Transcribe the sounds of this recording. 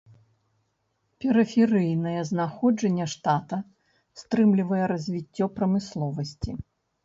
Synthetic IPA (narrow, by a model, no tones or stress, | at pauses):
pʲɛɾɨfʲɛɾɨjnɐjɛznaxɔd͡ʐɐnʲːɛʂt̪at̪ɐ | st̪ɾɨmlʲivɐjɛɾɐzʲvʲit͡sʲːɔpɾɐmɨslˠɔvɐsʲt͡sʲi